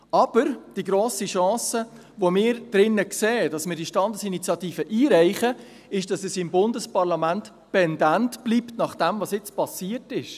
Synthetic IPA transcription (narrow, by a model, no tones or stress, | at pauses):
ɑb̥əɾd̥iɡɾoːsiʃɑ̃ːsə | ʋomɪːɾd̥ɾɪnːəkseːd̥ɑsmɪːdiʃtɑndəsinit͡sjɑtiːfəʔiːɾæɪχə | ɪʃd̥ɑsɛsɪmbʊndəspɑɾlɑmænt | pɛndæntb̥liptnɑχd̥ɛmvɑsjɪt͡spɑsiːətɪʃ